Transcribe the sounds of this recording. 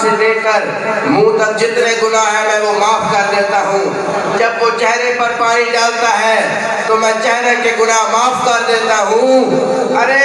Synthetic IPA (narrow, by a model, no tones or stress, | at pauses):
sed̪eːkəɾ | mũːt̪ək̚d͡ʒɪt̪neɡʊnaɦɛmɛ̃ʋomaːpkɐɾd̪eːt̪aɦũː | d͡ʒɐbʋot͡ʃɛɦɾepɐɾpaːɾid͡ʒaːlt̪aɦɛː | t̪omɛ̃ːt͡ʃɛɦɾekeɡʊnaɦmaːpkɐɾd̪eːt̪aɦũː | ɐɾe